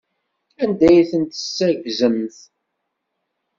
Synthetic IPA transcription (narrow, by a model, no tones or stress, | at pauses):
ænd̪æjθənt̪ə̥sːəɾʝzəmθ